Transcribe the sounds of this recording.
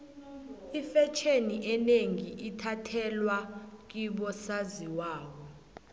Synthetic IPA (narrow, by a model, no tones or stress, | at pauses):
ifɛt͡ʃʰeniʔɛneŋiʔitʰatʰɛlwak̬iɓɔsaziwaːwɔ